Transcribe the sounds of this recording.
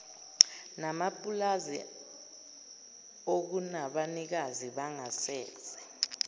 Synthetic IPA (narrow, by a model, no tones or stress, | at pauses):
namapʼulazḭ | ok̬unaɓanik̬aziɓaŋasɛːz̥ʱɛ̥